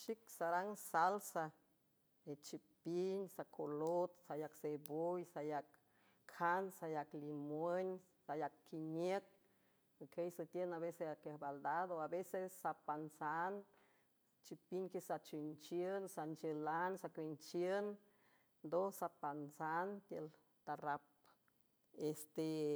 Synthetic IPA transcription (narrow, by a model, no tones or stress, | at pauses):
ʃiksaɾaŋsalsa | et͡ʃipinsakʰolot̪sajaksebojsajakːʰ | ansajaklimwəɲ | sajakːʰiɲek̪̚ | kʰejsət̪jenaβeseakehbald̪ad̪oabesesːapansan | t͡ʃipiɲkesat͡ʃint͡ʃjənsant͡ʃəlansakʷint͡ʃjən | nd̪osapansant̪jəl | t̪aɾap̚ | est̪e